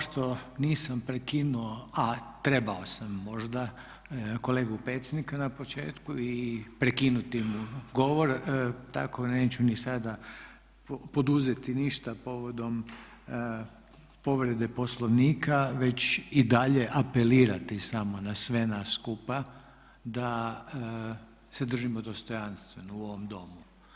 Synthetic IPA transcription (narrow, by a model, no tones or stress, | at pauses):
ʃt̪o̞niːsampɾekinuoat̪ɾe̞bao̞samːo̞ʒd̪a | ko̞leːɡupɾe̞t̪sʲed̪nikanapo̞t͡ʃe̞̰ːt̪kuipɾekinut̪imuɡo̞ʋo̞ɾt̪a̰ko̞neːt͡ɕunisad̪a | popo̞d̪uzet̪iniʃt̪apo̞ʋo̞d̪o̞m | po̞ʋɾe̞d̪e̞po̞slˠo̞ʋniːkaʋe̞t͡ɕid̪aʎe̞ʔape̞liːɾat̪isamo̞nasʋe̞nasːkupa | d̪a | sed̪r̩ʒimo̞d̪o̞st̪o̞janst̪ʋenouo̞ʋo̞md̪o̞mu